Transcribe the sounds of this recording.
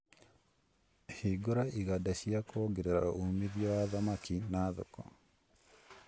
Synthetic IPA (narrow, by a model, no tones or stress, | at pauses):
hiɡoɾaʔiɣadaʃiakʰoɡeɾeɾaomiðjɔwaðamakinaðo̰kɔ̰